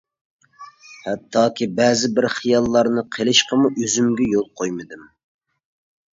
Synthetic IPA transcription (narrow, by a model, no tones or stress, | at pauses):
hɛt̪ʰːɑːkʲʰibɛːzɪbɪɾχijɑlˠːɑɾnɨqʰelˠɪʃqəmuʔøzymɡʲɛjolˠqʰojmɨd̪ɪm